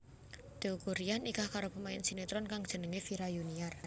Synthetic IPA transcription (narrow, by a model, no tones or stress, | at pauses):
d̪̥ekuɾianikahkaɾopəmaɪnsinet̪ɾɔnkaŋd̥ʒ̥ə̤nəŋefiɾajuniar